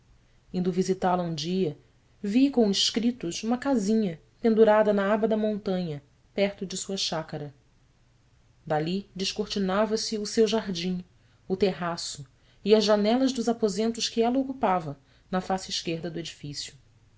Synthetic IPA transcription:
ĩnd̪ʊvizit̪alɐũd͡ʒiɐ | vikõw̃ɪʃkɾit̪ʊʃũmɐkazĩɲɐ | pẽnd̪uɾad̪ɐnɐabɐd̪ɐmõnt̪ɐ̃ɲɐ | pɛɾt̪ʊd͡ʒɪsuɐʃakɐɾɐ | d̪alid͡ʒɪʃkoɾt͡ʃinavɐsɪʊsewʒaɦd͡ʒĩ | ʊt̪eɦasʊ | iɐzʒanɛlɐʒd̪ʊzapozẽnt̪ʊʃkɪɛlɐokupavɐ | nɐfasɪiʃkeɾd̪ɐd̪ʊed͡ʒifisjʊ

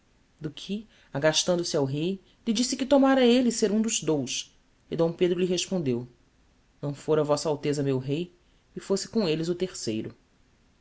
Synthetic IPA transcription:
d̪ʊkʰɪ | aɡaʃt̪ɐ̃nd̪ʊsiawɦej | lid͡ʒisɪkɪt̪omaɾɐelɪseɾũd̪ʊzd̪ows | ɪd̪õw̃ped̪ɾʊliɦeʃpõnd̪ew | nɐ̃w̃foɾɐvɔsɐawt̪ezɐmewɦej | ɪfosɪ̥kõelɪzʊt̪eχsejɾʊ

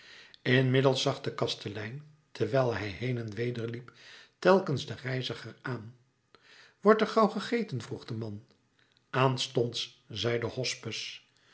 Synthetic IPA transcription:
ɪnmɪdəlˠsɑχdəkɑstəlɛjn | tʰəɹʋɛlˠɦɛjɦejnɛnʋejdəɹliptɛlˠkənzdərɛjzəχəɹaːn | ʋɔɹtɛɹχɑwχəχejtənvruχdəmɑn | ʔaːnstɔnts | zɛjdəhɔspəs

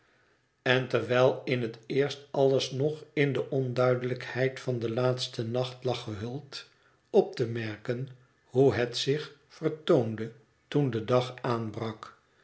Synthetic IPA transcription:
ɛntɛɹʋɛlˠɪnɦətɪːɹstɑləsnɔχɪndəʔɔndœɥdələkhɛjtfɑndəlaːtstənɑχtlɑχəɦɵlˠt | ɔp̚təmɛɹkən | huɦɛtsɪχfərtowndə | tundədɑχaːnbrɑk

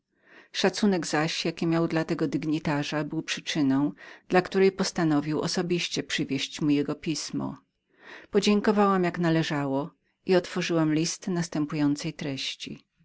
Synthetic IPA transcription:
ʂat̪sunɛɡzaɕjakʲimʲjawd̪lat̪ɛɡɔd̪iɡɲit̪aʐabɘwpʂɘ̥t͡ʂɘnɔ̃w̃d̪̥lakt̪uɾɛjpɔst̪anɔvʲiwʔɔ̰sɔbʲiɕt͡ɕɛpʂɘvʲjeɕt͡ɕmujɛɡɔpʲismɔ̰ | pɔd͡ʑeŋkɔvawamjaknalɛʐawɔ | ʔiɔt̪fɔʐɘwamlʲist̪nast̪ɛmpujɔnt̪sɛjt̪ɾɛɕt͡ɕḭ

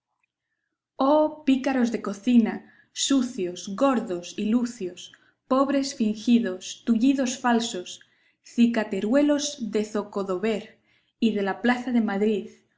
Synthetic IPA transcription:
opikaɾo̞zðe̞ko̞θina | suθjo̞zɣo̞ɾðo̞siluθjo̞s | po̞βɾe̞sfiŋxiðo̞st̪uʎiðo̞sfalso̞s | θikat̪eɾwe̞lo̞zðe̞θo̞ko̞ðo̞βe̞ɾ | iðe̞laplaθaðe̞maðɾið

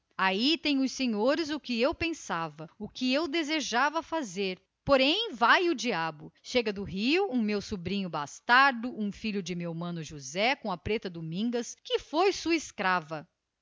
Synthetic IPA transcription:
ait̪ẽj̃ʊsẽɲoɾɪzʊkɪewpẽsavɐʊkɪewd̪ezeʒavɐfazeɾ | poɾẽj̃vajʊd͡ʒiabʊʃeɡɐd̪ʊɦiʊũmewsubɾĩɲʊbast̪aɾd̪ʊũfiʎʊd͡ʒɪmewmɐ̃nʊʒuzɛkõɐpɾet̪ɐd̪umĩŋɡɐskɪfojsuɐɪskɾavɐ

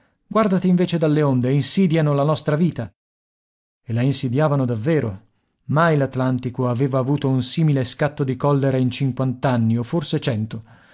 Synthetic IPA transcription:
ɡward̪at̪iiɱveːt͡ʃed̪alːeond̪einsiːd̪janolanɔst̪ɾaviːt̪a | elainsid̪jaːvanod̪avːeːɾo | majlat̪lant̪ikoaveːvaːvuːt̪ounsiːmileskat̪ːod̪ikɔlːeɾaint͡ʃiŋkwant̪anːiofːorset͡ʃɛnt̪o

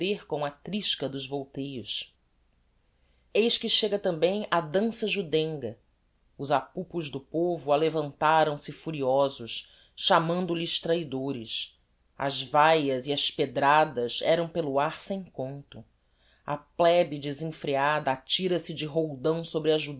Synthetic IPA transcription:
eɾkõw̃ɐt̪ɾiʃkɐd̪ʊzvowt̪ejʊs | ejʃkɪʃeɡɐt̪ɐ̃mbẽj̃ɐd̪ɐ̃sɐʒud̪ẽŋɡɐ | ʊzapupʊʒd̪ʊpovʊalevɐ̃nt̪aɾɐ̃w̃sɪfuɾiɔzʊʃ | ʃamɐ̃nd̪ʊliʃt̪ɾaid̪oɾɪs | ɐ̰zvajɐziɐʃped̪ɾad̪ɐzɛɾɐ̃w̃pelʊaɾsẽj̃kõnt̪ʊ | ɐ̰plɛbɪd͡ʒɪzẽfɾiad̪ɐːt͡ʃiɾɐsɪd͡ʒɪɦowd̪ɐ̃w̃sobɾɪɐʒu

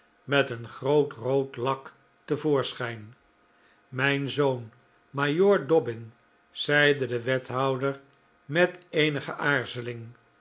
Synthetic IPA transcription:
mɛtənχrowtrowtlɑk | t̪əvʊːɹsχɛjn | mɛjnzoʊn | majoːɹdɔbɪn | z̥ɛjdədəʋɛtɦɑwdəɹ | mɛtejnəχəʔaːɹzəlɪŋ

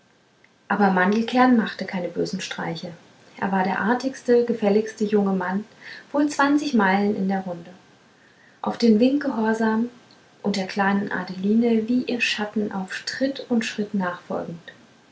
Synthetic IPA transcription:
ʔaːbɐmandl̩kʰɛɐnmaχtəkʰaɪnəbøːzn̩ʃtʁ̥a̰ɪçə | ʔḛːɐvaːɐɾeːɐʔaɐtɪçstəɡəfɛlɪçstəjʊŋəmanv̥oːlt͡sv̥ant͡sɪçmaɪlənʔɪ̰ndeːɐʁʊndə | ʔa̰ʊfd̥eːmvɪŋt̚ɡ̥əɦɔɐzaːm | ʔʊnt̚d̥eːɐkʰl̥aɪnənʔa̰deliːnəviːʔiːɐʃatn̩ʔa̰ʊfʃtʁ̥ɪtʊntʃʁ̥ɪtnaːχfɔ̰lɡŋ̩t

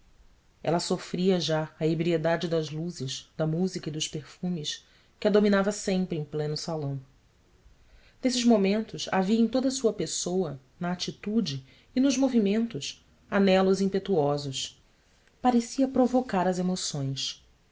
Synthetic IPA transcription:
ɛ̰lɐsofɾiɐʒaɐebɾied̪ad͡ʒɪd̪ɐzluzɪʃd̪ɐmuzikɐid̪ʊʃpeɾfũmɪʃ | kɪɐd̪ominavɐsẽmpɾɪẽj̃plẽnʊsalɐ̃w̃ | nesɪʒmomẽnt̪ʊsa̰viɐẽj̃t̪od̪ɐsuɐpesowɐ | nɐːt͡ʃit̪ud͡ʒɪː | nʊʒmovimẽnt̪ʊs | anɛlʊzĩmpet̪uɔzʊs | paɾesiɐpɾovokaɾɐzemosõj̃s

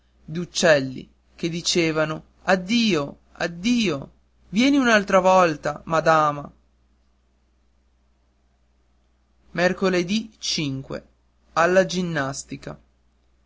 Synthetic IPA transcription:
d̪iut͡ʃːɛlːḭ | k̟ed̪it͡ʃeːvano | ad̪ːiːo | a̰d̪ːiːo | vjɛːniunalt̪ɾavɔlt̪amad̪aːma | merkoled̪it͡ʃiŋkwḛ | alːad͡ʒinːast̪ika

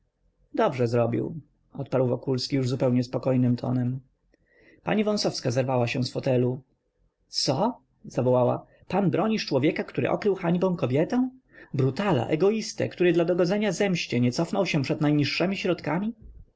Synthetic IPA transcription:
d̪ɔbʐɛzɾɔbʲḭw | ɔt̪̚paɾwvɔkulskʲijuʐzupɛwɲɛspɔkɔjnɘmt̪ʰɔ̰nɛm | pa̰ɲivɔ̃w̃sɔfskazɛɾvawaɕɛ̃sfɔt̪ɛlu | t̪sɔ | z̥avɔwawa̰ | panbɾɔɲiʂt͡ʂwɔvʲjɛkakt̪uɾɘ̰ʔɔ̰kɾɘwxaɲbɔ̃w̃kɔbʲjɛt̪ɛ̃w̃ | bɾut̪ala̰ʔɛɡɔist̪ɛ̰kt̪uɾɘd̪lad̪ɔɡɔd̪zɛɲazɛmɕt͡ɕɛɲɛt̪sɔfnɔwɕɛ̃pʂɛd̪najɲiʂːɛmʲiɕɾɔt̪kamʲi

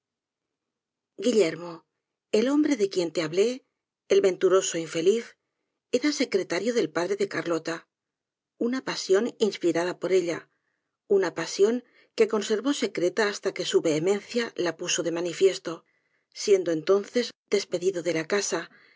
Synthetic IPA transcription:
ɡiʎe̞ɾmo̞ | elo̞mbɾe̞ðe̞kje̞nt̪eaβle̞ː | lβẽ̞nt̪uɾo̞so̞iɱfe̞liθ | e̞ɾase̞kɾe̞t̪aɾjo̞ðe̞lpaðɾe̞ðe̞kaɾlo̞t̪a | unapasjo̞ninspiɾað̞apo̞ɾe̞ʎa | unapasjo̞ŋ | ke̞ko̞nse̞ɾβo̞se̞kɾe̞t̪aːst̪ake̞suβe̞ːmẽ̞nθjalapuso̞ðe̞manifje̞st̪o̞ | sje̞nd̪oe̞nt̪o̞nθe̞zd̪e̞spe̞ðiðo̞ðe̞lakasa

